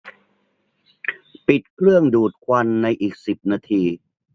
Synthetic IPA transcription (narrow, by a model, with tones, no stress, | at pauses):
pi˨˩t̪̚kʰɾɯ˥˩əŋduː˨˩t̪̚kʰwa˧nːa˧jʔiː˨˩k̚si˨˩p̚naː˧t̪ʰiː˧